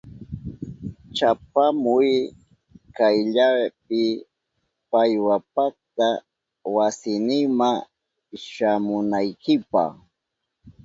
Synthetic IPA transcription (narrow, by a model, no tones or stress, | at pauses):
t͡ʃapamʊj | kajʎap̚ɪ | pajwapakt̪a | wasɪnɪŋmaŋ | ʃamʊnajkɪpɑ̰χ